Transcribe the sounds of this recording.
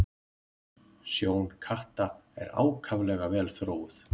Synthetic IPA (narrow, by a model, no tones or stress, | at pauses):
sjoːwnkʰaht̪aɛ̰ɾa̰ːwkʰavlɛɣavɛːlθɾoːwʏθ